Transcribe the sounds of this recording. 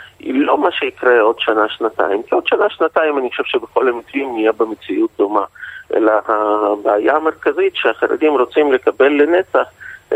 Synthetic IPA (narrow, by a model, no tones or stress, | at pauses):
ḭlo̞maʃeikʁeo̞dʃanaʃnata̰imkio̞dʃanaʃnataimanixoʃevʃebeχo̞lamitvimnijebemet͡siʔut̚d̪o̞maʔḛlahabaːjame̞ʁkazitʃeaχaɾa̰d̪imʁo̞t͡simle̞kabe̞lːenet͡saχ